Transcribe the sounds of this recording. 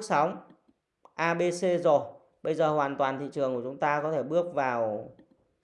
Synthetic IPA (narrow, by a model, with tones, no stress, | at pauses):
k̚sa˨˦wŋ͡m | ʔaː˧ɓe˧se˧zo˨˩j | ɓə˧jzəː˨˩hwaː˨˩nt̪waː˨˩nt̪ʰḭ˧˨t͡ɕɨ˨˩əŋku˧˩t͡ɕʊ˨˦ŋ͡mt̪aː˧kɔ˨˦t̪ʰe˧˩ɓɨ˦˥ək̚vaː˨˩w